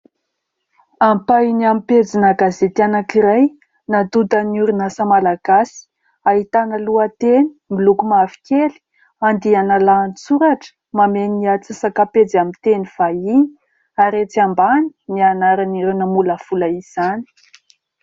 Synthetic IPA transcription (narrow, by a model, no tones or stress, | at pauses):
ampaniamiped͡zinəɡazet̪ianakiɾaj | nad̪ud̪əniuɾunasamalaɡasi̥ | aɦit̪anəluət̪eni̥milukumavi̥kʲeli̥ | and̪ianalaːnt͡suɾaʈ͡ʂə̥ | mameniat͡sisakaped͡zamit̪eniv̥aini̥ | aɾet͡siambani̥nianaɾaniɾunəmuləfulaiz̥ani̥